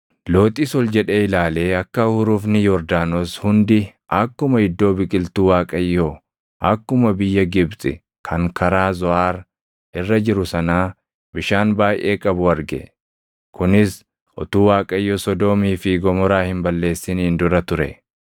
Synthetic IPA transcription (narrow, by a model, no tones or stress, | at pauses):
lo̞ːt̪ʼiːsɔld͡ʒɛᶑe̞ːɪlaːle̞ːɐkːɐhʊɾuːfnɪjɔɾd̪aːnoːshʊnd̪ɪʔɐkːʊmɐɪd̪ːo̞ːbɪkʼɪlt̪uːwaːkʼɐjːo | ʔɐkːʊmɐbɪjːɐɡɪbsʼɪ̰ | kʰɐŋkʰɐɾaːzɔʔaːɾ | ɪrːɐd͡ʒɪɾʊsɐnaː | bɪʃaːnbaːjʔe̞ːkʼɐbʊɐɾɡɛ̰ | kʊnɪs | ʔɔ̰t̪uːwaːkʼɐjːoːsɔd̪o̞ːmiːfɪɡɔmɔɾaːhɪmbɐlːe̞ːsːɪnɪnd̪ʊɾɐt̪ʊɾɛ̰